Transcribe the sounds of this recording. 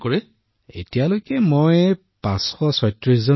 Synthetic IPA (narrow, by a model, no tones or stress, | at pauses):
kɔɹɛ | etijalojkɛmoj | pãsxɔsɔjtɹis̬zɔ